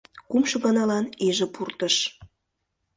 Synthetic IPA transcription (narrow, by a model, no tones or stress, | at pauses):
kumʃɤ̆ɣɑnɑlɑneʒĕpurt̪əʃ